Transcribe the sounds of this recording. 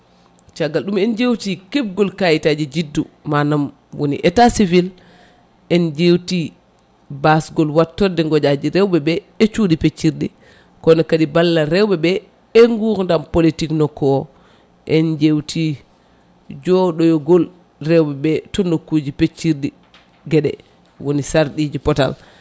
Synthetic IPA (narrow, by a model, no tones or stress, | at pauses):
t͡ʃaɡːalɗumɛnd͡ʒewtikɛb̚ɡɔlkajitad͡ʒid͡ʒidːumanam | wonḭʔɛtasivil | ʔɛnd͡ʒewti | basɡɔlwatːɔdɛŋɡɔd͡ʒad͡ʒiɾɛwbɛbɛ | ɛt͡ʃuɗipet͡ʃːiɾdi | kɔnɔkaɗibalːaɾɛwbɛbɛ | ɛŋɡuɾndampolitiknɔkːɔɔ | ʔɛnd͡ʒewtʰi | d͡ʒɔɗɔjɔɡɔl | rɛwbɛbɛtɔnokːud͡ʒipet͡ʃːiɾdi | ɡɛɗɛ̰ | wonisaɾɗid͡ʒipɔta̰l